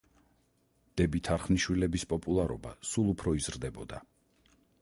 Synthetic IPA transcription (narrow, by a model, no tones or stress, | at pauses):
d̪̥ɛbit̪ʰaɾχniʃwilɛbispʼɔpʼulˠaɾɔba̰sulˠupʰɾɔizɾd̪ɛbɔd̪a